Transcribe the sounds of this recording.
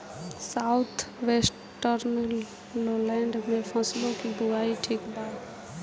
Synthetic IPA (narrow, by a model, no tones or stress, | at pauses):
saːʊt̪ʰʋes | ʈəɾnəlː | oːlɛ̃ːɳɖmẽpʰə̃slõkib̪ʊɾaːiʈʰiːkbaːt̪